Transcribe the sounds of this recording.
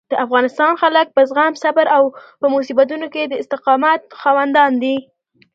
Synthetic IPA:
d̪̥əʔafɣɑnɪst̪ɑnxalək̚pəzɣamsabəɾawpəmosibat̪̬unoked̪əɪst̪ɪqɑmat̪̚xɑwand̪ɑnd̪i

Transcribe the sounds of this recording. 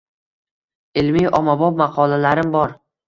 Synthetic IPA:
ɪlmijʔɒmabɒp̚mɑqʰɒlalaɾɪmbɒɾ

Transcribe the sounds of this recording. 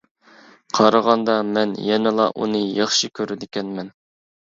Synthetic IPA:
qʰɑɾɑʁɑnd̪ɑmɛnjɛnɪlˠɑ̰ʔṵnɨjɑχʃɨkʲʰøɾɪd̪ɪkʲɛnmɛn

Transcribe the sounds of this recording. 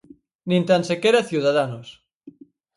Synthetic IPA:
nĩnt̪ansekeɾaθjuðaðanos

